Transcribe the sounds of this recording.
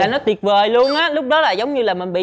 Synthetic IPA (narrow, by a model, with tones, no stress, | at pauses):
aː˨˩nɔ˨˦t̪i˨˩ət̚vəː˨˩jlu˧ənʔaː˨˦lʊ˦˥k͡p̚ɗɔ˨˦laː˨˩zə˨˦wŋ͡mɲɨ˧laː˨˩mï˨˩ŋ̟ɓḭ˧˨